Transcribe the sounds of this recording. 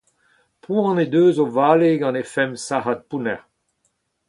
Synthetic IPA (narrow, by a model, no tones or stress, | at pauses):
pʰũɑ̃ned̪øːzovaːleɡɑ̃nefɛmsaɦat̪̚punɛ̰ʁ